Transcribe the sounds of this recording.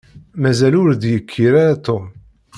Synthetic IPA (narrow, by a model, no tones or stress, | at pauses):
mæzælʊɾd̪jəkʰːiɾaɾat̪om